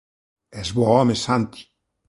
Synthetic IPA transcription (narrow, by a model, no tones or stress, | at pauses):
ezβɔomesant̪i̥